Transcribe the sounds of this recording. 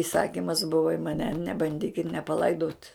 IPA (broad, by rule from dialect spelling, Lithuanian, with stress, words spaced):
ɪˈsɑːkʲɪmɐs ˈbʊʋɐ ɪ mɐˈnʲɛ nʲɛbɐnʲˈdʲiːkʲɪt nʲɛpɐˈlˠɐɪdoːt